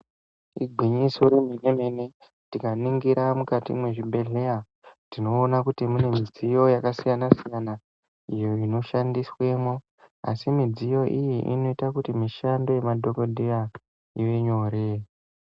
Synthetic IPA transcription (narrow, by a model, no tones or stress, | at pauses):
iɡʱwiɲiso̞ɾiminemene | tikaniŋɡiɾamukatḭmwe̞ʐibʱe̞ɮe̞ja | dino̞ːnakutimune̞mid͡zijo̞jakasijanasijana | ijoino̞ʃandiswe̞mo | a̰simid͡zijo̞ʔijiʔino̞itakutimiʃando̞je̞madʱo̞ko̞dʱija | iʋe̞ɲo̞ɾe